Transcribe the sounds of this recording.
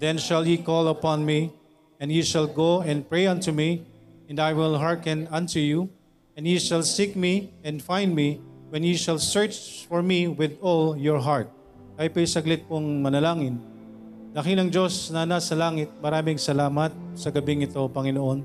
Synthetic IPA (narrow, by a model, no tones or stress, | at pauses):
d̪ɛ̃nʃɐljikɔlɐpãnmi | ɛ̃njiʃɐlɡoɛ̃nd̪̚pɹejɐ̃nt̪umiɛ̃nd̪ajwɪlɦaɹkɛ̃nɐ̃nt̪uju | ɛ̃njiʃɐlsik̚miɛ̃nd̪fãjnd̪miwɛ̃njiʃɐlsɛɹt͡ʃfɔɹmiwɪðɔljɔɹɦaɹt̪̚ | kaɪpɐjsɐɡlɪt̪̚pʊŋmɐnɐlaːŋɪn | d̪ɐkɪlɐŋd͡ʒosnɐnasɐlaːŋɪt̪̚mɐɾaːmɪŋsɐlaːmɐt̪̚sɐɡɐbɪŋɪt̪opɐŋɪnoʔon